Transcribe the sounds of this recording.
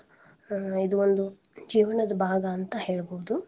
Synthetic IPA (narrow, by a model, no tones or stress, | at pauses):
id̪uond̪u | d͡ʒiːʋɐnɐd̪ɐbʱaːɡɐːnt̪ɐhe̞ːɭboud̪u